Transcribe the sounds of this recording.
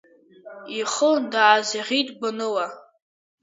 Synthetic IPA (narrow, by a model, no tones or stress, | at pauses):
iχədaːziʁʲitʼbɨnɨwa